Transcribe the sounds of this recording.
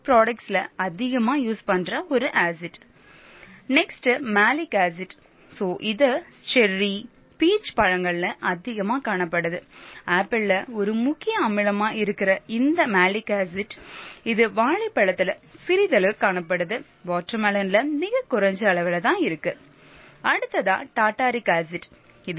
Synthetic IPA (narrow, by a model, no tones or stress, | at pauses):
pɾoːɽɐk̚ʈslɐɐðɪɣɐmaːjuːspɐnɖɾɐɔɾɯʔaːsɪʈ | nɛksʈmaːlɪkaːsɪʈ | soːʔɪðɐt͡ʃɛɾːi | piːt͡ʃːpɐɻɐŋɡɐɭlɐʔɐðɪɣɐmaːkaːɳɐpːɐɽɯðɯaːpːɐllɐɔɾɯmʊkːɪjɐɐmɪɻɐmaːɪɾɯkːɪɾɐɪnd̪ɐmaːlɪkaːsɪʈːɪðɯʋaːɭɪpːɐɻɐt̪ːɪlɐsɪɾɪðɐlɐkaːɳɐpːɐɽɯðɯ | ʋaːʈɾɐmɐlɐnlɐmɪɣɐkʊɾɐɲd͡ʒɐːɭɐʋɪlɐt̪ãːɪɾɯkːɯ | ɐɽɯt̪ːɐðã̰ːʈaːʈːaːɾɪkaːsɪʈː | ɪð